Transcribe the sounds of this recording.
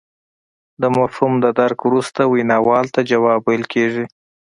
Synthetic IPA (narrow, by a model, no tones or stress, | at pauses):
d̪əmafhumd̪əd̪aɾkwɾust̪awinɑwɑlt̪ad͡ʒawɑbalkʰeʐi